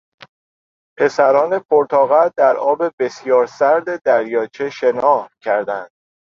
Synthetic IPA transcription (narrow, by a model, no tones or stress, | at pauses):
pʰe̞sæɾɒːne̞pʰoɾt̪ʰɒːɣæɾd̪æɾɒːbe̞be̞sjɒːɾsæɾd̪e̞d̪æɾjɒːt͡ʃʰe̞ʃe̞nɒːhcʰæɾd̪ænd̪̥